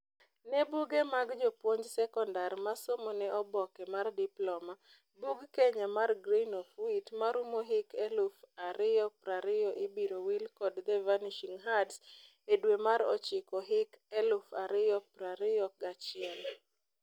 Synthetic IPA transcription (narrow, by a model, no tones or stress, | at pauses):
nebuɡemaɡd͡ʒopwoɲd͡ʒsɛkɔndarmasomonɛʔɔbɔkɛmardiplɔma | buɡkeɲamarɡɾinɔfwitmaɾumoɦɪkɛlufaɾɪjɔpɾaɾɪjɔʔɪbiɾowilkɔdd̪ɛvaniʃiŋɦads | edwemaɾɔ̰t͡ʃɪkɔɦɪkɛlufaɾɪjɔpɾaɾɪjɔɡat͡ʃɪɛl